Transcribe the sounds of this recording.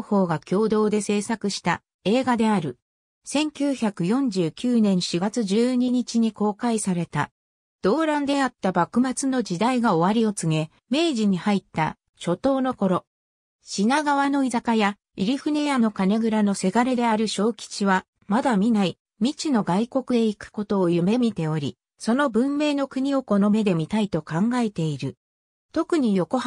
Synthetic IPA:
ho̞ːɡakʲo̞ːd̪o̞ːd̪e̞se̞ːsakɯ̟ɕi̥t̪a | e̞ːɡad̪e̞aɾɯ̟ | sẽ̞ŋkʲɨːçakɯ̟jõ̞ɲ̟d͡ʑɨːkʲɨːnẽ̞ɰ̃ɕiɡat͡sɨʑɨːɲ̟iɲ̟it͡ɕiɲ̟iko̞ːkaisaɾe̞t̪a̰ | d̪̥o̞ːɾãnd̪e̞at̪ːabakɯ̟mat͡sɨno̞d͡ʑid̪aiɡao̞βaɾʲio̞t͡sɨŋe̞ | me̞ːʑiɲ̟ihait̪ːa̰ | ɕo̞t̪o̞ːno̞ko̞ɾo̞ | ɕinaɡaβano̞izakaja | iɾʲiɸɯ̟ne̞jano̞kane̞ɡɯ̟ɾano̞se̞ɡaɾe̞d̪e̞aɾɯ̟ɕo̞ːkʲi̥t͡ɕiβa | mad̪amʲinai | mʲit͡ɕino̞ɡaiko̞kɯ̟d̪e̞ikɯ̟̥ko̞t̪o̞ːjɯ̟me̞mʲit̪e̞o̞ɾʲḭ | so̞no̞bɯ̟̃mːe̞ːno̞kɯ̟ɲ̟io̞ko̞no̞me̞d̪e̞mʲit̪ait̪o̞kãŋɡae̞t̪e̞iɾɯ̟ | t̪o̞kɯ̟ɲ̟ijo̞ko̞h

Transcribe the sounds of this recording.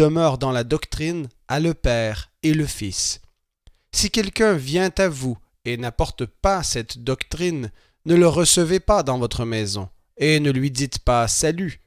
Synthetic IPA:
əmœːʁd̪ɑ̃lad̪ɔkt̪χinaləpɛːʁeləfis | sikʲɛlkʲœ̃vjɛ̃t̪avu | enapɔʁt̪pasɛt̪d̪ɔkt̪χinː | ələʁəsəvepad̪ɑ̃vɔt̪χəmɛzɔ̰̃ | enəlɥid̪it̪pasaly

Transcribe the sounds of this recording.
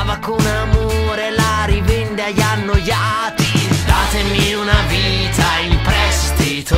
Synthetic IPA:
vakonamoɾelaɾivend̪eaʎanːoja | t̪id̪aːt̪emiunavit̪aimpɾɛst̪it̪o

